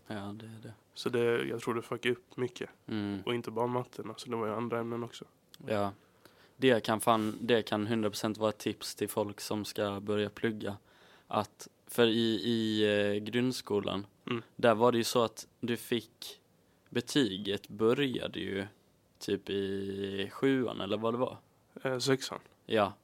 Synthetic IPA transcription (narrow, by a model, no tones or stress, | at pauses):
jɑːd̪ɛːɖɛ | sɔd̪ɛjɑ̰ɡt̪ɾuːɖɛfœkːaɵpːmʏkʰːəɔɪnt̪əbɑːɾamat̪ʰːənasɔd̪ɛvaɾjəand̪ɾaɛmnənɔksɔ | jɑː | d̪ɛkʰanfaːnd̪ɛkʰanɦɵnd̪ɾapʰɾʊ̥sɛnt̪vɑːɾat̪ʰːɪpst̪ʰɪlfɔlksɔmskabœɾjapʰlɵɡːa | ʔat̪ | fœɾɪɪɡɾɵnd̪skuːlʔa̰n | d̪æɾvaɖɛjɵsɔat̪d̪ɵfɪkː | bɛt̪ʰyːɡət̪bœɾja̰d̪ɛ̰jɵ̰ | t̪ʰyːpɪ | ɧʉ̟ːa̰nʔɛlːəɾvad̪ɛva̰ɾ | ɛsɛksa̰n | jɑː